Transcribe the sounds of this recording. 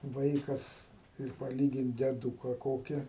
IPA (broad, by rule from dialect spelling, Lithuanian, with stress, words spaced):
ˈʋɐɪkɐs ɪr pɐˈlʲiːɡʲɪnt dʲɛˈduːkɐ ˈkoːkʲɪ